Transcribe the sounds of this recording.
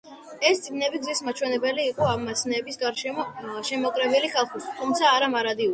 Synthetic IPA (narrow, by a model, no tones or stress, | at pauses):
ɛst̪sʼiɡnɛbiɡzismat͡ʃʰwɛnɛbɛliːqʼɔamːasnɛːbisɡaɾʃɛɔʃɛmɔkʼɾɛbiliχalˠχit̪ʰumt̪sʰaːɾamaɾad̪iul